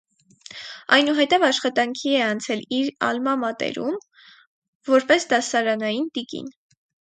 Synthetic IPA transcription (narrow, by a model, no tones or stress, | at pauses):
ɑ̰jnuɦɛt̪ɛvɑʃχɑt̪ɑŋkʰiɛɑnt͡sʰɛliɾɑ̰lmɑmɑt̪ɛ̰ɾum | vɔɾpɛsd̪ɑsɑɾɑnɑjind̪ikḭn